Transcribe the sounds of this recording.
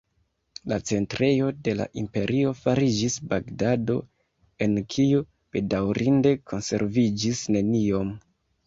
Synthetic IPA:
lat͡se̞ntɾe̞jo̞de̞la̰ʔimpe̞ɾʔio̞faɾid͡ʒisbaɡdado̞ | e̞nkʰiu | b̥e̞dawɾinde̞kʰo̞nse̞̰ɾvid͡ʒisne̞nio̞m

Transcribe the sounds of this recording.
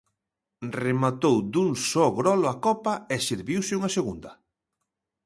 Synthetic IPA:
remat̪owd̪uŋsɔɣɾɔlʊakɔpɐɛsiɾβiwsɪuŋɐseɣund̪ɐ

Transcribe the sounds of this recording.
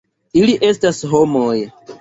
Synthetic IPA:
iliʔe̞stasɦo̞moj

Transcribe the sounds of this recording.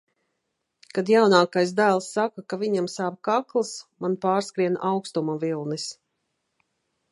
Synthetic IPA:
kad̪jawnaːkajsd̪æːlˠsːakakaviɲamsaːb̚kaklˠsmanpaːɾskɾiɛnawkst̪umavilˠnis

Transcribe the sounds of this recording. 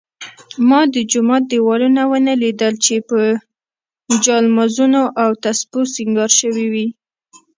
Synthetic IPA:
mɑd̪əd͡ʒʊmɑt̪̚d̪ewɑlunawənəlid̪əlt͡ʃepə | d͡ʒɑlmazunoʔawt̪aspusiŋɡɑɾʃəwiwi

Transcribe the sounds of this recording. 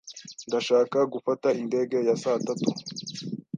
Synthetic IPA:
ndaʃaːkaɡufatainde̞ːɡe̞jasaːtatu

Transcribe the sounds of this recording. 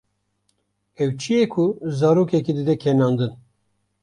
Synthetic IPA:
ɛwt͡ʃʰijekʰuzɑːɾoːkɛkid̪ɨd̪ɛkʰɛnɑːnd̪ɨn

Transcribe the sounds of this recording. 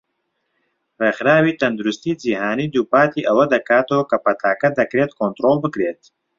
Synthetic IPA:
reːxɾaːwiːt̪ʰɐnd̪uɾʊst̪iːd͡ʒiːɦaːniːd̪uːpaːt̪iːʔɐwɐd̪ɐkaːt̪oːkɐpɐt̪ʰaːkɐd̪ɐkɾeːt̪kʰoːnt̪ɾoːlbɨkɾeːt̪

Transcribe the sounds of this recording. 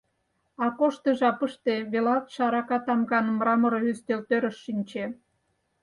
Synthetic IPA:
ɑkoʃt̪eʒɑpəʃt̪eβelɑt̪ʃɑɾɑkɑt̪ɑmɡɑnmɾɑməɾoyst̪elt̪øɾə̆ʃːinʲt͡ɕe

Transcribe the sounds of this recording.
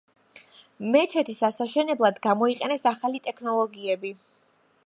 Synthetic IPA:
mɛt̪ʰɛt̪ʰisasaʃɛnɛblˠad̪ɡamɔiqʼɛnɛsaχalit̪ʼɛkʰnɔlˠɔɡiɛbi

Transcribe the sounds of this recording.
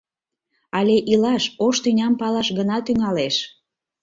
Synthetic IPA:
ɑlʲeʔilɑʃoʃt̪ynʲɑmpɑlɑʃɣənɑt̪yŋɑleʃ

